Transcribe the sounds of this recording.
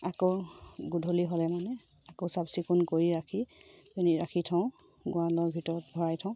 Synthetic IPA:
akoɡudʱoliɦɔlɛmanɛ | akosabsikunkoɹiɹakʰipeniɹakʰitʰɔ̃ʊ̃ | ɡʊ̃walɔɹbʱitɔɹɔt̚bʱɔɹajtʰɔ̃ʊ̃

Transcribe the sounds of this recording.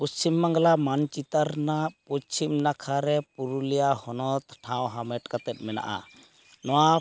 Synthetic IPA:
pɔst͡ʃimːaŋɡlamant͡ʃit̪aɾnaput͡ʃʰimnakʰaɾɛpuɾulijahɔnɔt̪ʈʰãw̃ɦamɛʈkat̪ɛt̪̚mɛna̰ʔa̰ | nɔwa

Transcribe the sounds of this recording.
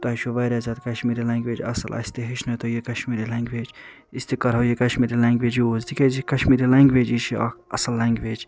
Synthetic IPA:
t̪ɐʃʰoʋɐjɾʲazad̪kɐʃmiːɾilaːŋɡʋeːd͡ʒɐ̰sɐlʔɐ̰sʲt̪eɦiʃʰnɐt̪ojekɐʃmiːɾilãːŋɡʋeːd͡ʒ | ist̪ekɐɾawjekɐʃmiːɾilãːŋɡʋeːd͡ʒjiozd̪ikezikɐʃmiːɾilaːŋɡʋeːd͡ʒit͡ʃʰiɐ̰ɐsɐlːaːŋɡʋeːd͡ʒ

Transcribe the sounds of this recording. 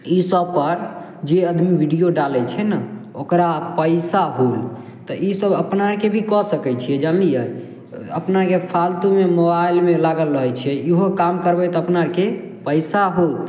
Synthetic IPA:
isəb̚pəɾ | d͡ʒeəd̪ʱmibʱiɖijoɖalɛt͡ʃʰɛnaokɾapəɪsaɦul | t̪ɔʔisəbəpnaɾkebʱikɔsəkɛt͡ʃʰiɛd͡ʒalnijɛ | ə̰pnakepʰalt̪umemobailmelaɡəlɾəɦɔt͡ʃʰɛiɦokamkəɾbɛt̪ɔəpnaɾke | pəjsaɦot̪̚

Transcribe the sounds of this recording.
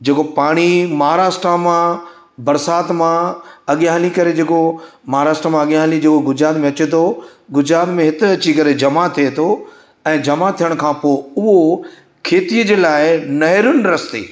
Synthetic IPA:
d͡ʑeːkopaːɽ̃imɐɦaɾaːsʈɾamã | bɐɾsaːt̪mãɐɠjaːɦlikɐɾed͡ʑeːkomɐɦaɾaːsʈɾamãɐɠjaːɦlid͡ʑeːkoɡʊd͡ʑɾaːt̪mẽɐt͡ɕet̪ʰoɡʊd͡ʑɾaːt̪mẽɦɪt̪ɪ̆ɐt͡ɕikɐɾed͡ʑɐmat̪ʰiet̪ʰo | ɛ̃ːd͡ʑɐmat̪ʰijəɽ̃kʰãːpoːʊɦo | kʰeːt̪iəd͡ʑeːlaːɪnɐɦɪɾjʊnɪ̆ɾɐst̪ḛː

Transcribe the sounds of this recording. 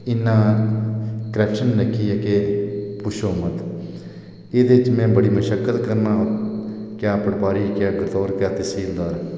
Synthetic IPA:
ɪnːãː | kəɾɛːpʃənːəkʰːiːɛkeːpʊʃoːmət̪ | ɪːd̪eːɪt͡ʃmɛ̃ːbəɽiːməʃəkːət̪kəɾnãː | kjaːpəɽpaːɾiːkjaːɡəɾt̪oːɾkaːt̪eːsiːld̪aːɾ

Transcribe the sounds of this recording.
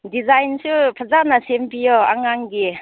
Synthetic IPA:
dizajnsupʰazanasempijɔa̰ŋaŋɡi

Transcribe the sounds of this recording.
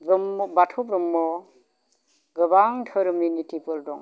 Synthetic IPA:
bɯmbatʰubɾɯmːɔ | ɡɯbaŋtʰəɾminitʰipɯldɔŋ

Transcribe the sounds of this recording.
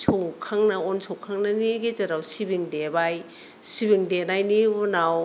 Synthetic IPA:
sʰɔwkʰaŋnɐɔnsʰɔwkʰaŋnaniɡezaɾawsibiŋdebaj | sibiŋdenajniunaw

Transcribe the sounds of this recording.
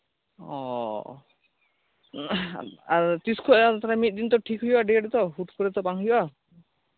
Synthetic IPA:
ɔ | aɾt̪iskʰɔat̪aɾamit̪̚d̪int̪̬ɔʈʰikɦujbaɖieɖt̪ɔɦuʈkɔɾɛt̪ɔpaŋɦujba

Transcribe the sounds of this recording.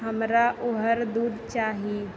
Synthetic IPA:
ɦəmɾaʔʊɦəɾd̪uːd̪t͡ʃaːɦi

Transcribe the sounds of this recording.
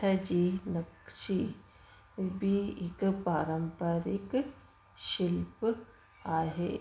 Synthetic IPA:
ad͡ʒinɐkʃi | bʱiɪkpaːɾəmpəɾik | ʃilp | aːɦe

